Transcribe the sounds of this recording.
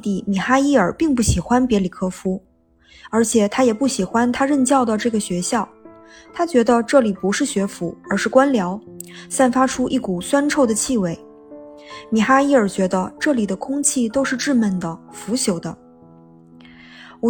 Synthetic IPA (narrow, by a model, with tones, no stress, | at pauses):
t̪i˧˩mi˨˩xa˥i˥˩ə˞˨˩pi˥˧ŋpu˥˩ɕi˨˩xwa˥npjɛ˧˥li˨˩kʰɤ˥fu˥ | ə˞˧˥t͡ɕʰjɛ˨˩t̪ʰa˥jɛ˨˩pu˥˩ɕi˨˩xwa˥nt̪ʰa˥ɻə˥˧nt͡ɕjɑ˥˩ʊd̪ə˩ʈ͡ʂɤ˥˩ɡə˩ɕɥɛ˧˥ɕjɑ˥˩ʊ | t̪ʰa˥t͡ɕɥɛ˧˥d̪ə˧ʈ͡ʂɤ˥˩li˨˩pu˧˥ʂɻ̩˥˩ɕɥɛ˧˥fu˧˥ə˞˧˥ʂɻ̩˥˩kwa˥nljɑ˧˥ʊsa˥˩nfa˥ʈ͡ʂʰu˥ʔi˥˩ku˨˩swa˥nʈ͡ʂʰo˥˩ʊd̪ə˩t͡ɕʰi˥˧we˥˩ɪ | mi˨˩xa˥i˥˩ə˞˨˩t͡ɕɥɛ˧˥d̪ə˧ʈ͡ʂɤ˥˩li˨˩d̪ə˦kʰʊ˥ŋt͡ɕʰi˥˧t̪o˥ʊʂɻ̩˥˧ʈ͡ʂɻ̩˥˧mə˥˩nd̪ə˩fu˧˥ɕjo˨˩ʊd̪ə̰˦˧